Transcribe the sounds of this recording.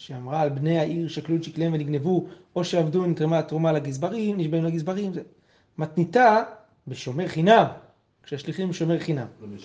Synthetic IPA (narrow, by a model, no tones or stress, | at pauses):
ʃeamʁaːlbne̞jaʔiʁʃakluʃikleemveniɡne̞vuo̞ʃeavdunitʁematʁumalaɡizbaʁimniʃbajulaɡizbaʁimze | mat̪nita | beʃo̞me̞ʁχinam | kʃeaʃliχimbʃo̞meʁχinam